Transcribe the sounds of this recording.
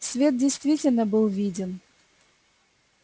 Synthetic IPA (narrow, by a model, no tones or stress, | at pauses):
svʲet̪̚dʲɪjst̪vʲitʲɪlʲnəbɨlˠvʲidʲɪn